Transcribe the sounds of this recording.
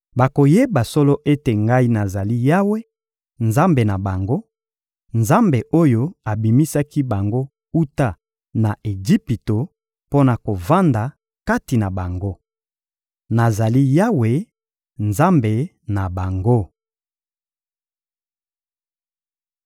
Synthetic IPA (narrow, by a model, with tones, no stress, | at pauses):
ba˨ko˨je˦ba˨sɔ˦lo˦ʔe˦te˨ŋɡa˦i˦na˨za˨li˦ja˦we˦ | nza˦mbe˨na˨ba˨ŋɡo˦ | nza˦mbe˨ʔo˦jo˦a˨bi˨mi˦sa˦ki˦ba˨ŋɡo˦ | u˦ta˦ | na˨ʔe˨d͡ʒi˦pi˨to˨ | po˦na˨ko˨va˦nda˨ | ka˦ti˨na˨ba˨ŋɡo˦ | na˨za˨li˦ja˦we˨ | nza˦mbe˨ | na˨ba˨ŋɡo˦